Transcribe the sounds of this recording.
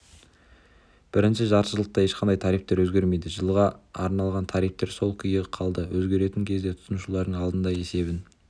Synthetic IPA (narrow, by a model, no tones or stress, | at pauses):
b̥ɪɾɪnʃɪʒɑɾʃəlˠəq̚t̪ɑje̞ʃqʰɑnd̪ɑjt̪ʰɑɾijp̚t̪e̞ɾwɵzɡʲe̞ɾme̞jd̪ɪʒəlˠʁɑːɾnɑlˠʁɑnt̪ʰɑɾijp̚t̪e̞ɾso̞lˠkʲʰʏjɪqʰɑlˠd̪əwɵzɡʲe̞ɾe̞t̪ɪŋkʲʰe̞zd̪e̞t̪ʰʊ̥sənuʃulˠɑɾd̪əɴɑlˠd̪ənd̪ɑje̞se̞bɪn